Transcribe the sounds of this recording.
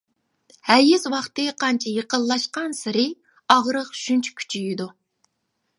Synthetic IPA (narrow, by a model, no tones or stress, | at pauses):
hæɾjyzwɑχt̪ɨqʰɑnt͡ʃʰɛjeqəlˠːɑʃqɑnsɪɾɪ | ɑʁɾəqʃynt͡ʃʰy̥kʲʰy̥t͡ʃʰijid̪u